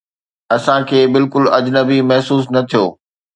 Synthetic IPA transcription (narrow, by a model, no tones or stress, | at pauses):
ɐsãkʰeːbɪlkʊlɐd͡ʑnəbimɐɦsuːsnɐt̪ʰijo̰ː